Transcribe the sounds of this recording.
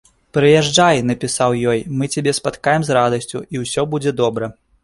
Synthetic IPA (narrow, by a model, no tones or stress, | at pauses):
pɾɨjɛʐd͡ʐajnɐpʲisawjɔjmɨt͡sʲabʲɛspat̪kajɛmzrad̪ɐsʲt͡sʲuiwsʲɔbud͡zʲɛd̪ɔbɾɐ